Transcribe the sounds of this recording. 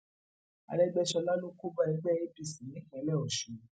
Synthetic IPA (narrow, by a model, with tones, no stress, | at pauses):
a̰˧lɛ˦ɡ͡bɛ˦ʃɔ˧la˦nũ˦ko˦ba˦ɛ˧ɡ͡bɛ˦e˦bi˦˨sĩ˨nĩ˨˦hɛ̃˨˦lɛ˦˨ɔ˨ʃũ˨